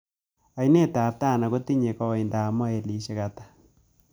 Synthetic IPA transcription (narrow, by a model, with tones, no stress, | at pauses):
a˨i˨˦ne˦˨ta˨p̚ta˦˨na˨ɣo˦ti˦ɲe˨ka˦˨i˨nda˨mɔ˦e˨li˨˦ʃe˦ɣatḁ˨